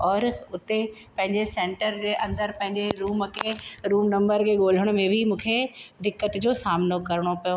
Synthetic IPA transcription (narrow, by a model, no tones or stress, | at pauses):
ɔːɾʊt̪epɐ̃ɦɪ̃ɲd͡ʑesẽːɳʈəɾd͡ʑeːʔɐ̃nd̪əɾpɐ̃ɦɪ̃ɲd͡ʑeɾuːmkʰeɾuːmnɐ̃mbəɾkʰeːɠoːl̤əɽ̃ʊ̆mẽbʱɪmũːkʰed̪ɪkːət̪d͡ʑoːsaːmnokɐɾɪɽ̃opɐjo